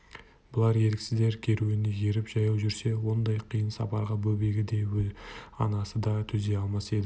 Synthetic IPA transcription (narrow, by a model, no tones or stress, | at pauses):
bʊlˠɑɾje̞lɪkʲsɪzd̪e̞ɾkʲʰe̞ɾuɪnɪje̞ɾɪpʒ̥ɑjɑwʒʏɾse̞wo̞nd̪ɑjqʰijənsɑ̰pɑɾʁɑbɵbe̞ɡʲɪd̪e̞wɵlɑnɑsəd̪ɑt̪ʰʏzd̪e̞ɑlˠmɑse̞d̪ɪ